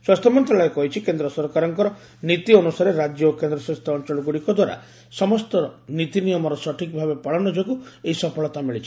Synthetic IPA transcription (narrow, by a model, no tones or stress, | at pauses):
swast̪ʰɔmɔnt̪ɾaɭɔjekɔɦit͡ʃʰikend̪ɾɔsɔɾkaɾɔŋkɔɾɔ | nit̪iɔnusaɾeɾad͡ʒjɔokend̪ɾɔsast̪ʰɔɔnt͡ʃɔɭɔɡuɽikɔd̪waɾa̰ | sɔmɔst̪ɔnit̪inijɔmɔɾɔsɔʈʰikbʱabepaɭɔnɔd͡ʒoɡueisɔpʰɔɭɔt̪amiɭit͡ʃʰi̥